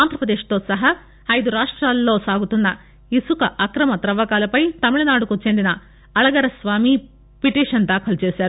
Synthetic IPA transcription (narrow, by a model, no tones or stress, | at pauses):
aːnd̪ɾɐpɾɐd̪eːʂɐ̥t̪oːsɐɦɐ | ɐjd̪uɾaːʂʈɾaːlːoːsaːɡut̪unːɐ | isukɐʔɐkɾɐmɐt̪ɾɐʋɐkaːlɐpɐjt̪ɐmiɭɐnaːɽukut͡ʃend̪inɐ | ɐɭɐɡɐɾɐsʋaːmi | piʈiːʂɐnd̪akʰɐlt͡ʃeːsaːɾu